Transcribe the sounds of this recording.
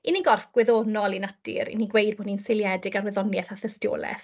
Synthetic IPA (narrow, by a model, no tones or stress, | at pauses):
iniɡɔrfɡ̥wɛðoːnɔlˠinad̥ḭɾḭniɡwejd̚boːdninsɪlˠjɛdɪɡarwɛðɔnjɛθaθəstjo̰ːlˠɛ̰θ